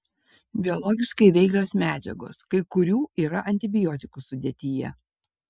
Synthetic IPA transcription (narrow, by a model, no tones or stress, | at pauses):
bʲɪɔlˠɔːɡʲɪʃkɐɪʋʲɛɪɡlʲoːsmʲæːd͡ʒʲɛ̰ɡo̰ːskɐɪkʊɾʲuːiːɾɐʔɐnʲt̪ʲɪbʲɪjoːt̪ʲɪkusʊd̪ʲeɛt̪ʲijɛ̰